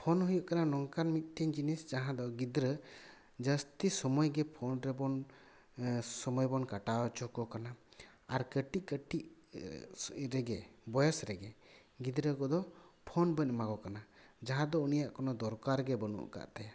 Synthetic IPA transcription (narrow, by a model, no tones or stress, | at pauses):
pʰɔnɦujɔʔkananɔŋkanmit̪̚ˀʈ̪ʰiɲd͡ʒinisd͡ʒaɦãd̪ɔɡid̪ɾə | d͡ʒəst̪isɔmɔjɡɛpʰɔnɾɛbɔn | sɔmɔjbɔnkaʈaɔt͡ʃɔkɔkana | aɾkəʈiʔkəʈiʔ | ɾɛɡɛbɔjɔsɾɛɡɛ | ɡid̪ɾəkɔd̪ɔpʰɔnbəɲmaɡɔkanad͡ʒaɦãd̪ɔunijaʔkɔnɔd̪ɔɾkaɾɡɛbənṵʔka̰ʔt̪aja